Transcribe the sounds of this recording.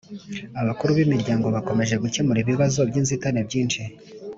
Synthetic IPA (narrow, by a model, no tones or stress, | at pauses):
aβakuɾuβimiɾɟaːŋɡo̞βako̞me̞ʒe̞ɡucemuɾiβiβazo̞bɟiːnzitaneb̚ɟiːnʃi